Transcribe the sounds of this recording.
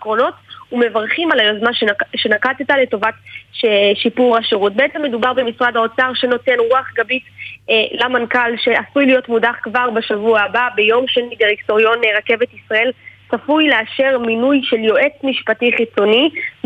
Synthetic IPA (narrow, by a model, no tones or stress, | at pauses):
kʁo̞no̞tume̞vaʁχimalajozmaʃʃe̞nakatetale̞to̞vatʃʃipuʁaʃeʁut̚beet͡semːe̞dubaʁbemisʁadhao̞t͡saʁʃe̞no̞te̞nʁuaχɡabitlamankalʃe̞asujlijo̞tmudaχkvaʁbaʃavuaːbabe̞jo̞mʃenideʁikto̞ʁjo̞neʁake̞vetisʁae̞lsafujleaʃe̞ʁminujʃe̞ljo̞ʔe̞t͡smiʃpatiχit͡so̞ni